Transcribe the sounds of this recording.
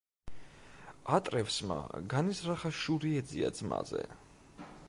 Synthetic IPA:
at̪ʼɾɛfsma̰ɡanisɾaχaʃuɾiɛd̪ziad̪zma̰zɛ

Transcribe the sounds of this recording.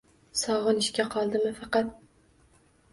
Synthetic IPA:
sɒʁɨnɪʃkʲaqʰɒlˠd̪ɪmɪfɑqɑt̪̚

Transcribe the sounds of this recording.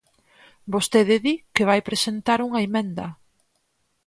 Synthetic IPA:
bost̪eðɪðikeβajpɾesent̪aɾuŋɐemɛ̃nd̪ɐ

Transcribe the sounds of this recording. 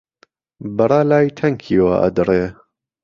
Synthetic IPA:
bɐrˤɑːlaːjt̪ʰɐŋkʰiːwa̰ʔɐ̰d̪ɨreː

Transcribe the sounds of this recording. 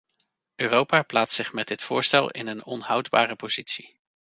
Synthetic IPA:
ʔøːrowpaːplaːtsɪχmɛdɪtfʊːɹstɛlˠɪ̰nənɔnhʌwdba̰ːrəpoz̥itsi

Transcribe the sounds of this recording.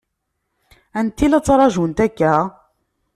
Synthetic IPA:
ænt̪ilæt͡sːɾˤɑʒunt̪ækːæ

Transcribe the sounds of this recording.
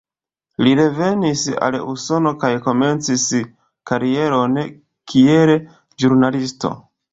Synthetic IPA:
liɾe̞ve̞nisa̰luso̞no̞kajko̞me̞nt͡sis | kaɾie̞ɾo̞n | kʰiel | ʒuɾnalisto̞̰

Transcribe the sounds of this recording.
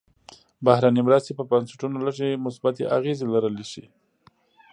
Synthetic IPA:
bahɾanimɾast̪epəbansɪ̥ʈunoləʒemʊsbat̪ḛʔaɣezelaɾəleʃḭ

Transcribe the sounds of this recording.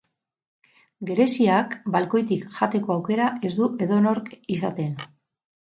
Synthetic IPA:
ɡe̞ɾe̞siakbalko̞jt̪ikʝat̪e̞ko̞awke̞ɾaʔe̞zd̪ue̞ðo̞no̞ɾkisat̪e̞n

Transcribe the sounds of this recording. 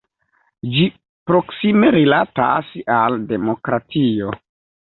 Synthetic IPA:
d͡ʒi | pɾo̞ksime̞ɾilata̰salde̞mo̞kɾatio̞

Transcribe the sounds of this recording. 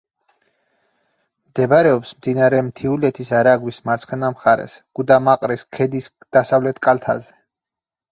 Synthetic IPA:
md̪ɛbɾɛɔpsmd̪inaɾɛmt̪ʰiulɛt̪ʰisaɾaɡwismaɾt̪sʰχɛnamχaɾɛ̰sɡ̥ud̪amaqʼɾiskʰɛd̪is | d̪̥asavlɛt̪ʰkʼalt̪ʰa̰zɛ

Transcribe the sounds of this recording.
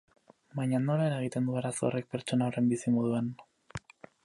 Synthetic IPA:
bajɲano̞lae̞ɾaeɣ̞it̪e̞nd̪uaɾasore̞k̚pe̞ɾt͡ʃo̞naore̞mbisimoð̞uan

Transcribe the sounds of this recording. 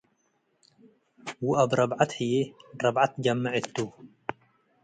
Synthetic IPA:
wuʔabɾˤɑbʕat̪hɪjeɾˤɑbʕat̪ɡamːaʕɪt̪ːu

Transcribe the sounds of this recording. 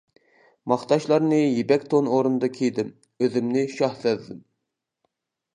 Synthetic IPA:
mɑχt̪ɑʃlˠɑɾnɨjebɛkʲt̪ʰonoɾund̪ɑkʲʰejd̪ɪm | øðɪmnɪʃɑhsɛt̪d̪ɪm

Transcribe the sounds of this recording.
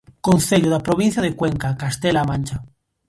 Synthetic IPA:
konθeʎoðapɾoβ̞in̟θjaðekweŋkakast̪elamãnʲt͡ʃa

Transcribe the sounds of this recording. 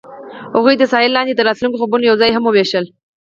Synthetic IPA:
hoɣujd̪əsɑɪlːɑnd̪et̪əɾɑt̪luŋkoxabunojawzɑjɦamʊbeʃəl

